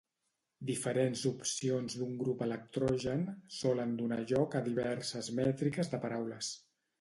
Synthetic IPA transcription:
d̪ifəɾenzupsionzd̪uŋɡɾupələk̚t̪ɾɔʒənsɔlənd̪unaʒɔkəðiβɛɾsəzmɛt̪ɾikəzðəpəɾawləs

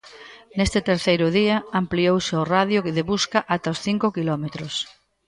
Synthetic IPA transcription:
nest̪ɪt̪eɾθejɾʊðiɐampliowsɪoraðjʊkeðeβuskaʔat̪aosθiŋkʊkilɔmet̪ɾʊs

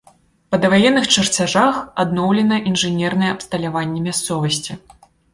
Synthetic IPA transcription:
pɐd̪ɐvajɛnːɨxt͡ʂɨrt͡sʲaʐaxad̪nɔwlʲɛnɐʔinʐɨnʲɛrnɐjɛɐpst̪ɐlʲavanʲːɛmʲast̪sɔvɐsʲt͡sʲi

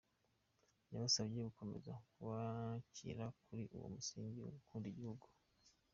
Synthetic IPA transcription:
jaβasaβje̞ɡuko̞me̞̰zakuβacḭɾakuɾiʔṵwo̰musiːɲɟiukʰuːndiɟihuɡu

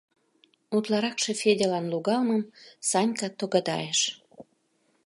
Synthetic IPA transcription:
ut̪lɑɾɑkʃefed̪ʲelɑnluɣɑlməmsɑnʲkɑt̪oɣɑd̪ɑ̰jeʃ

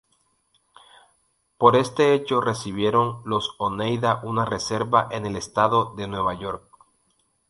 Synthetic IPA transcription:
po̞ɾe̞st̪e̞et͡ʃo̞re̞siβ̞je̞ɾo̞nlo̞sonejðaʔunare̞se̞ɾβaʔe̞ne̞le̞st̪aðo̞ðe̞nwe̞βaʝo̞ɾk̚

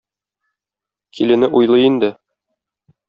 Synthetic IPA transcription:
kʰilɘ̆nɘʔujlˠɤind̪ɘ

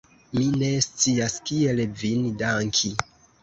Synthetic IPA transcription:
mine̞st͡siaskielvindaŋkʰi

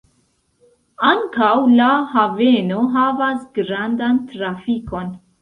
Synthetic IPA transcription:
aŋkawlahave̞no̞ɦavasɡɾandantɾafiko̞n

